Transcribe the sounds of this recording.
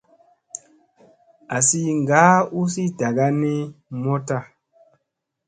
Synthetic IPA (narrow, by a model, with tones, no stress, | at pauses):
a˨si˦ŋɡa˨˦u˦si˦da˨ɡa˦ne˦mɔ˦ta˦˨